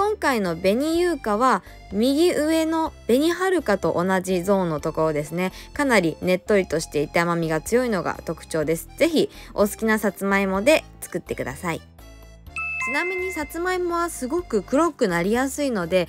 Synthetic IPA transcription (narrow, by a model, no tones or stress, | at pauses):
kõŋkaino̞be̞ɲ̟ijɯːkaβ̞a | mʲiɡʲiʔɯ̟e̞no̞b̥e̞ɲ̟iɦaɾɯ̟kat̪o̞ʔonaʑizo̞ːnːo̞t̪o̞ko̞ɾo̞d̪e̞sɨne̞kanaɾʲine̞t̪ːo̞ɾʲit̪o̞ɕi̥t̪e̞it̪eamamʲiɡat͡sɨjo̞ino̞ɡa̰t̪o̞kɯ̟̥t͡ɕo̞ːd̪e̞sɨ̥z̥e̞çio̞sɨ̥kʲinasat͡sɨmaimo̞d̪e̞t͡sɨ̥kɯ̟t̪ːe̞kɯ̟d̪a̰sai | t͡ɕinamʲiɲ̟isat͡sɨmaemo̞βasɨɡo̞kɯ̟kɯ̟ɾo̞kɯ̟naɾʲijasɨino̞d̪e̞